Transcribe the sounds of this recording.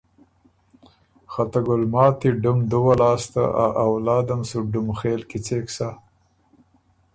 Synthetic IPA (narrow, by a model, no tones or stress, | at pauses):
xat̪aɡʊlmɑːt̪iɖʊmd̪uwalɑːst̪a̰ʔaʔawlɑːd̪amsuɖʊmxeːlkit͡seːksa